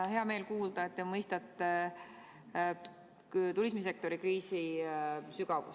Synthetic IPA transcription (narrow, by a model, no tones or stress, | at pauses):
he̞ɑme̞ːlkuːld̪̥ɑet̪ːemɤjst̪ɑt̪ːˑe | t̪ulismis̬e̞k̚t̪o̞ɾikriːsi | syɡ̥ɑvṵ